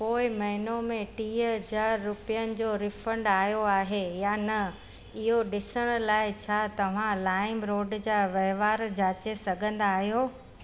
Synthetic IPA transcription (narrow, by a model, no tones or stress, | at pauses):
koːɪmɐɦɪnomẽʈiːɦəɦd͡ʑaːɾːʊpijənɪ̆d͡ʑoːɾɪfə̃ɳɖaːjoaːɦejaːnɐ | ɪɦoɗɪsəɽ̃̆laːɪt͡ɕʰaːt̪ɐʋ̤ãlaːɪmɾoːɖd͡ʑaːʋɐɦʋaːɾd͡ʑaːt͡ɕesɐɡʱə̃nd̪aːɦijoː